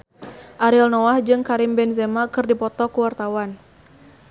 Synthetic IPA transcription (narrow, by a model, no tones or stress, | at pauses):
ʔaɾɪlnɔahd͡ʒɨŋkaɾimbɛnzɛmakɨrdipɔt̪ɔkuwart̪awan